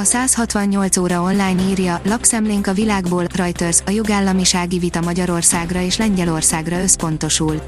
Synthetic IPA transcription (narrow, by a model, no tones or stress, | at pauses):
ɒsaːshɒt̪ʋɒɲɲo̞lt̪soːɾɒo̞nlaːjniːrjɒlɒksɛmleːŋkɒvilaːɡboːlrɒjt̪ørzɒjo̞ɡaːlːɒmiʃaːɡivit̪ɒmɒɟɒɾo̞rsaːɡrɒeːʃlɛɲɟɛlo̞rsaːɡrɒøspo̞n̪t̪o̞ʃul